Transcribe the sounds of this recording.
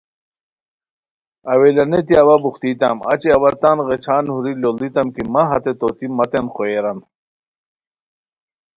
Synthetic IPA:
ɐwelɐnet̪̬iɐwɐbuxt̪iːt̪a̰mɐ̰t͡ɕiɐwɐt̪anɣet͡ɕʰaːnhuɾilolit̪ɐmkimɐɦɐt̪et̪ot̪imɐt̪enxoeɾɐn

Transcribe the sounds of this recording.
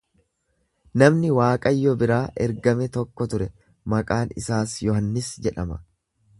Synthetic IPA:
nɐmnɪwaːkʼɐjːɔbɪɾaːʔɛɾɡɐmɛt̪ɔkːɔt̪ʊɾɛ | mɐkʼaːnɪ̰saːsjɔɦɐnːɪsd͡ʒɛᶑɐmɐ̰

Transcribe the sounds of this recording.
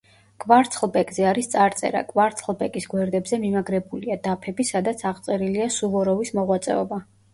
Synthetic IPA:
kʼvaɾt̪sʰʼχlˠbɛkʼzɛaɾist̪sʼaɾt̪sʼɛ̰ɾa̰kʼvaɾt̪sʰχlˠbɛkʼisɡwɛɾd̪ɛbzɛmimaɡɾɛbuliad̪apʰɛbisad̪at̪sʰaʁt̪sʼɛɾiliasuvɔɾɔvismɔʁwat̪sʼɛ̰ɔba

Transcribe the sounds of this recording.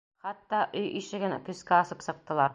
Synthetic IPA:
χɑt̪ːɑʔɵjʔiʃɘ̆ɡɘnkɵ̆skæɑsɤpsɤ̆q̚t̪ɤ̆lˠɑɾ

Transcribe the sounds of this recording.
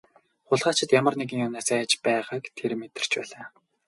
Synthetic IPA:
χʊɮʁaːt͡ɕɪ̆t̪jamə̆rneɣĭŋjʊnaːsæːt͡ɕpæːʁaːkt̪ʰermet̪ɘ̆r̥t͡ɕpæːɮaː

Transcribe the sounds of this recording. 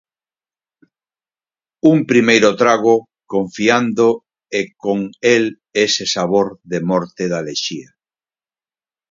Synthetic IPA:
umpɾimejɾʊt̪ɾaɣo | koɱfiand̪o | ekoŋel | esesaβoɾðemɔɾt̪eðaleʃia

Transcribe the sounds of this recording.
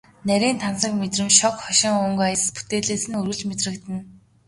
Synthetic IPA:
næɾʲiːnt̪ʰansə̆kmet̪rɘ̆mʃɔkχɔʃɪ̆ŋɵŋɡajə̆spu̥t̪eːɮeːsɘ̆nɵrɣɘ̆ɮt͡ɕmet̪rɘ̆kt̪ɘ̆n

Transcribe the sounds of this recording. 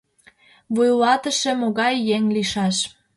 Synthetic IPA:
βujlɑt̪ə̆ʃemoɣɑjːeŋliʃɑʃ

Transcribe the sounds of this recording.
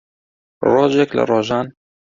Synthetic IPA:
roːʒɛklə̰roːʒɑːn

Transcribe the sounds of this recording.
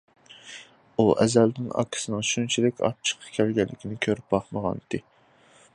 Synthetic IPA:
uʔɛ̰zɛlnɪŋɑ̰kʲʰɪ̥sɨnɨŋʃunt͡ʃʰilɪkʲʰɑ̰t͡ʃʰːə̥qʰːɑ̥kʲʰælɡʲɛlːɪkʲʰinɪkʲʰøɾyp̚bɑχməʁɑ̰nd̪ɨ

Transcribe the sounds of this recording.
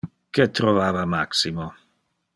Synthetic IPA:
ket̪ɾovaːvamaksimo

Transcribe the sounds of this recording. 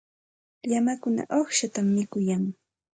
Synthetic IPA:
ʎamakʊna̰ʔoχʃat̪amːɪkʊjaŋ

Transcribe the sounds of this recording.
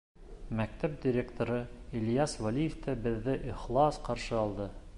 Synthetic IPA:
mæk̚t̪æp̚d̪ʲɪɾʲekt̪oɾɤilʲjɑsvalʲijeft̪æbɘ̆ðːɘʔiχlˠɑsqɑɾʃɤɑlˠd̪ɤ

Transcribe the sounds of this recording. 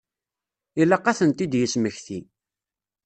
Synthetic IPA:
ilːæqːaθənt̪id̪jəsməçθi

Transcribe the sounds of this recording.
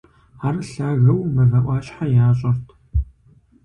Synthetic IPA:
ħarɬaːɣɐwmɐvɐʔʷɑːɕħajaːɕʼɐrtʰ

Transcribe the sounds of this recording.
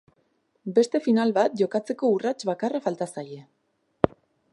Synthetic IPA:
be̞st̪e̞finalβat̪̚ʝo̞kat͡se̞ko̞urat͡ʃβakarafalt̪asaje̞

